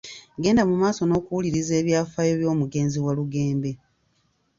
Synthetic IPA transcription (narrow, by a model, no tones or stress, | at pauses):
ɡe̞ːndamumaːso̞no̞ːkuwuliɾize̞ːβjaːfajo̞βjo̞ːmuɡe̞ːnziwaluɡe̞ːmbe̞